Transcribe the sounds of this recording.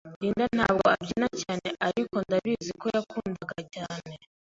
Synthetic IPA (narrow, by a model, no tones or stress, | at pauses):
diːndanha̰ːbɡo̞abɟinacaːne̞ʔaɾiko̞ndaβizikojakuːndaɡacaːne̞